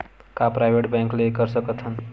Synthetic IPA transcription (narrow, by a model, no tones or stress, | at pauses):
kapɾajʋeʈbɛ̃ŋklekəɾsəkət̪ʰɦən